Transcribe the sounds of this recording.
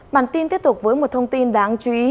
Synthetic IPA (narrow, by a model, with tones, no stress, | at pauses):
ɓa̰ː˧˩nt̪i˧nt̪i˦˥t̪k͡p̚vəː˨˦jmo˨˩t̚t̪ʰə˧wŋ͡mt̪i˧nɗaː˨˦ŋt͡ɕu˨˦ʔi˨˦